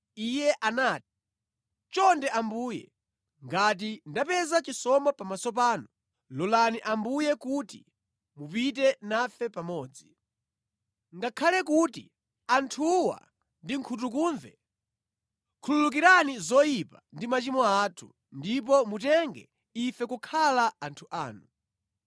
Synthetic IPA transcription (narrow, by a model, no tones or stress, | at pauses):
ijɛʔanaːt̚i̥ | t͡ʃɔndɛʔambuːjɛ̰ | ŋɡat̬indapɛzat͡ʃisɔmapamasɔp̬aːnu | lɔlaniʔambujɛkuti | mupit̬ɛnafɛpamɔːd͡zi | ŋɡakʰalɛkutḭ | antʰuwa̰ | ndiŋkʰut̬ukuːɱvɛ | kʰululuk̬iɾanizɔjipandimat͡ʃimɔatʰṵ | ndip̬ɔmutɛŋɡɛ̰ | ifɛkukʰalaantʰuʔaːnu